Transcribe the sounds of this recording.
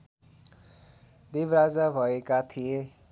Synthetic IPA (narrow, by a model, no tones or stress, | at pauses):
d̪ebrad͡zabʱʌekat̪ʰije